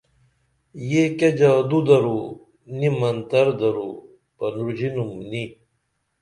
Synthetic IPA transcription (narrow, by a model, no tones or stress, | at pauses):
jeked͡ʑaːd̪ud̪ɐɾu | nimɐnt̪ɐɾd̪ɐɾu | pɐnuɾd͡ʑinumni